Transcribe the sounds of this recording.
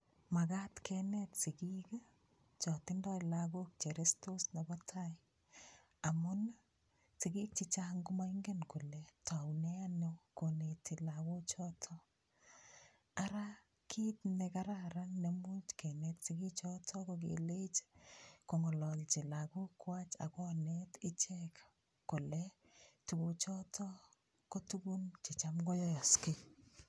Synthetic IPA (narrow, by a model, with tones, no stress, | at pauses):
makatkʰɛnɛtsɪkika | t͡ʃɔtɪndɔjlak̬uk̚t͡ʃeɾestosna˨bɔtʰaj | a˨mʊn | sɪɡi˦k̚t͡ʃit͡ʃaŋɡʊmaiŋɡenkʊ˨letʰawnɛanekonetilawo˦t͡ʃɔtʰɔ | aɾa | kʰi˦tnɛka˦ɾa˦ɾa˦nːe˦mu˦t͡ʃkɛ˨nɛ˦ttɪki˦t͡ʃɔ˦tʰɔ˦kɔ˨ɡḛ˨le˦t͡ʃkɔ˨ŋɔ˨lɔ˨lt͡ʃɪ˨la˨kʊ˦kwa˦t͡ʃa̰˨kɔ˦nɛtɪ˦t͡ʃɛkː | kʊ˨lɛ | tu˨ku˨t͡ʃɔ˦tʰɔ˦ | kɔ˦tu˦ɡu˦nt͡ʃɪ˨t͡ʃa˦mɡɔ˦jɔ˦jɔ˨skɪ˦